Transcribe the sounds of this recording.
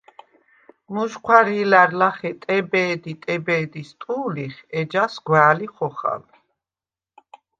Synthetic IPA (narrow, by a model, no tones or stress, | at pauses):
muʃqʰwaɾilaɾlaχɛt̪ʼɛbɛːd̪it̪ʼɛbɛːd̪ist̪ʼuːliχɛd͡ʒasɡwaːliχɔχa̰l